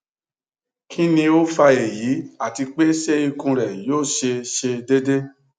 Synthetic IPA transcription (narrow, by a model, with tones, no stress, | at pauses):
kʰĩ˦nĩ˧o˦fa˧e˨ji˨˦a˦˨ti˧k͡pe˦ʃe˦i˧kũ˧ɾɛ˨joː˦˨ʃe˧ʃe˧de˦de˦